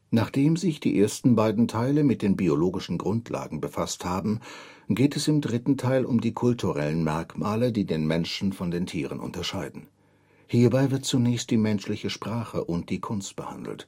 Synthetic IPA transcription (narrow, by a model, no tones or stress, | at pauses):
naːχd̥eːmzɪçd̥ḭːʔeːɐstn̩baɪdn̩tʰaɪləmɪt̚d̥eːnbioloːɡɪʃn̩ɡʁʊntʰlʔa̰ːɡŋ̩bəfasthaːbm̩ | ɡeːtʰɛsɪmdʁɪtn̩tʰaɪlʊmdiːkʰʊltʰuʁɛlənmɛɐkmaːlədiːdeːnmɛnʃn̩fɔndeːntʰiːʁ̞ə̰nʔʊ̰ntɐʃaɪdn̩ | hiːɐbaɪvɪɐt̚t͡sunɛːçst̚d̥iːmɛnʃlɪçəʃpʁ̥aːχə̰ʔʊnt̚d̥iːkʰʊnst̚b̥əha̰ndl̩t